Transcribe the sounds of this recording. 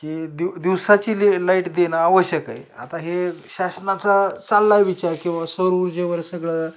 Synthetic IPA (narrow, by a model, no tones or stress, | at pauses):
kid̪id̪iwsat͡ɕiːlelaiʈd̪enaːʋəɕjəka̰ja̰t̪aɦeɕasnat͡sat͡salːajʋit͡ɕaɾkĩw̃ʋasəɾuɾd͡ʑeʋəɾsəɡɭa